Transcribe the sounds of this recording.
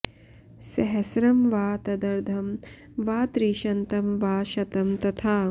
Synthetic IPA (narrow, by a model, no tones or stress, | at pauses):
sɐɦɐsɾɐmʋaːt̪ɐd̪ɐɾd̪ʱɐm | ʋaːt̪ɾiːʃɐnt̪ɐmʋaːʃɐt̪ɐmt̪ɐt̪ʰaː